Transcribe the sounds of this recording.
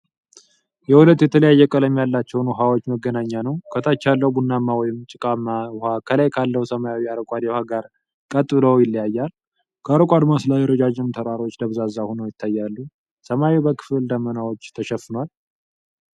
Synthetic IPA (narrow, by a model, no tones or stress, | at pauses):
jɛhulət̪jɛt̪ʰələjajːɛkʼələmjalːat͡ʃːɛwnwʊɦawot͡ʃːməɡːənaɲːanəwkʰət̪ʰat͡ʃːalːəwbunːamːawɔjɪmt͡ʃʼɪkʼamːaʊhakʰəlajkʰalːəhusəmajawiaɾəkʷʼad̪ɛhaɡaɾ | kʼət̪ʼːɨləwjɪlːijajːal | kʰəaɾəkʼad̪maslajɛɾəd͡ʒad͡ʒɪmt̪ʰəɾaɾo̞t͡ʃːd̪əβzazahonəjɪt̪ʰːajːalːu | səmawiwbəkʰɨ̥fld̪əmːənawot͡ʃːt̪ʰəʃɛfːɨnwal